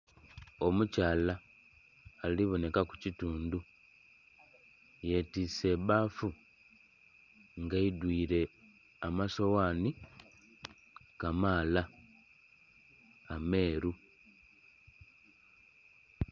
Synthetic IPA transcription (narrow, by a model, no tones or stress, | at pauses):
o̞mucaːlaː | liβo̞ne̞kaku̥cituːndu | je̞tiːse̞βaːfu | ŋɡaidwiːɾe̞ | amaso̞waːni | kamaːla | ame̞ːɾu